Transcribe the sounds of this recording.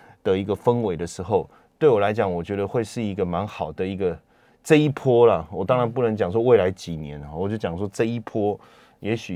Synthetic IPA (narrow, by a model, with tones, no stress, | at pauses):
d̪̥ə˨i˧˥ɡə˧fə˦ŋwe˧˥ɪd̪ə˨ʂɻ̩˧˥xo˥˧ʊ | t̪we˥˩ɪwɔ˨˩la˧˥ɪt͡ɕjɑ˨˩˦ŋwɔ˨˩t͡ɕɥɛ˧˥ɾə˧xwe˥˧ɪʂɻ̩˥˩i˧˥ɡə˨ma˧˦nxɑ˨˩ʊd̪ə˦i˧˥ɡə˨ | ʈ͡ʂə˥˧i˦˩pʰwɔ˥lə˨wɔ˨˩t̪ɑ˦ŋɻa˧˦np̬u˥˨nə˧˥ŋt͡ɕjɑ˨˩ŋʂ̬wɔ˥we˥˩ɪla˧˥ɪt͡ɕi˨˩njɛ˨˦nɔ˨wɔ˨˩t͡ɕjo˥˩ʊt͡ɕjɑ˨˩ŋʂ̬wɔ˥t͡sə˥˧i˥pʰwɔ˥ | jɛ˧˥ɕy˨